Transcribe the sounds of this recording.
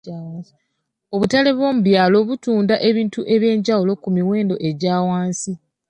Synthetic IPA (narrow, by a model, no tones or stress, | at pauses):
o̞βutale̞βwo̞ːmuβjaːlo̞βutuːndaʔe̞βiːntuʔe̞βje̞ːɲɟawulo̞kumiwe̞ːndo̞ʔe̞ɟaːwaːnsi